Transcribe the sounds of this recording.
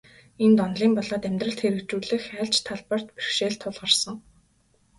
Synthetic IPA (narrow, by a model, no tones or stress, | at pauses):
ent̪ɔnɮiːmpɔɮɔːt̪æmʲt̪rə̆ɬt̪xeɾɘ̆kt͡ɕuːɮɘ̆xæːɮt͡ɕt̪ʰːaɮpər̥t̪pirʃeːɮt̪ʰːʊɮʁə̆rsə̆ŋ